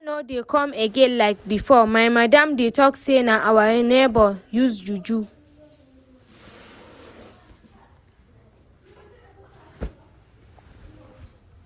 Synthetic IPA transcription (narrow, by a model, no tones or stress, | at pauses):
nodekʰɔ̃meɡɛ̃nlaɪk̚bifɔmaɪmadãmdetʰɔksenaʔawanɛbɔjusd͡ʒud͡ʒu